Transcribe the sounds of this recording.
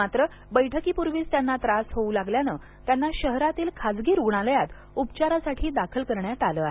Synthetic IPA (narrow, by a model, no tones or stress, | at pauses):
at̪ɾə | bəjʈʰəkiːpuɾʋiːst̪janːat̪ɾasɦoulaɡljanəː | t̪janːaɕəɦɾat̪iːlkʰad͡zɡiːɾuɡɳaləjat̪ | upt͡ɕaɾasaʈʰiːd̪akʰəlkəɾɳjat̪aləːaɦe